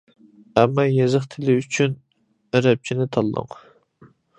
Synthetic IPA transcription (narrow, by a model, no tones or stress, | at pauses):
ɛmːɑjezɨχt̪ʰɪlɪyt͡ʃʰyn | ɾɛp̚t͡ʃʰinɪt̪ʰɑlˠːə̰ŋ